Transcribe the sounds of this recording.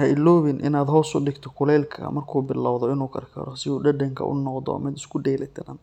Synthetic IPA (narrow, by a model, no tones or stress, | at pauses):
hɐɪlːɔːβɪnʔɪ̰naːd̪ɦɔːsʊɖɪɡt̪ʰɔkʰʊlɛːlkʰɐ̰mɐrkʰuːbɪlːawðɔɪnuːkʰɐ̰rkʰɐ̰ɾɐsɪuːɖɐɖɐŋkʰɐ̰ʔʊ̰nɔqd̪ɔ̰mɪd̪ɪskʰʊɖɛːlɛt̪ʰɪnɐ